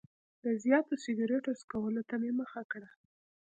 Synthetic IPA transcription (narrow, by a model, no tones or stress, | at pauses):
d̪əzjɑt̪osɪɡɑɾeʈoskawəlot̪ameməxakɽa